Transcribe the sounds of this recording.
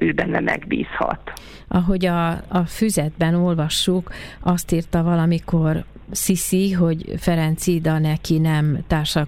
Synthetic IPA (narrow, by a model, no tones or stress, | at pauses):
øːbɛnːɛmʔɛ̰ɡbḭːshɒ̰t̪ | ʔɒɦo̞ɟɒːfyzɛd̪bɛno̞lvɒʃːukɒst̪iːrt̪ɒvɒlɒmiko̞r | sisiɦo̞ɟfɛɾɛnt̪sid̪ɒnɛkinɛmt̪aːrʃɒ